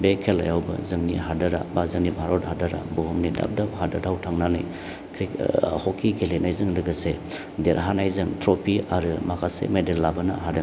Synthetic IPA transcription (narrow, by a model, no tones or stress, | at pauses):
bekʰela̰jawbɐ̰zɯŋniɦadɐɾa̰bazɯŋnibʱaɾothadaɾa̰buɦumnida̰p̚daphadadawtʰaŋnanɯj | kʰɾihokʰːiɡelenajzɯŋdɯɡɐse | deɾɦanajzɯŋtɾopʰiaɾɯmakʰasḛmedelːabɐnɐ̰ɦada